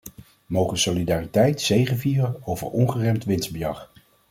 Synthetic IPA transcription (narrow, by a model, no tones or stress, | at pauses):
mowχənsolidaːritɛjtsejχənviːrənowvə̰ɹɔnχərɛmtʋɪnzbəjɑχ